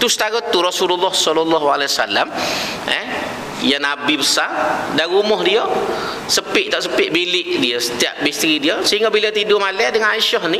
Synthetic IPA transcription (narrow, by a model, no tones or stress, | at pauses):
t̪usə̥t̪aɣɔt̪uɾɔsululːɔhsɔlɔlːɔɦaleasalam | ɛ̰ | janabibəsardaɾumɔɦdiə | səpɪʔt̪aʔsəpɪʔ̪̚bilɪʔdiəsət̪ia̰ʔ̚bist̪əɾidiəsəɦiŋɡabilət̪idʊmalɛadəŋanaiʃɔhni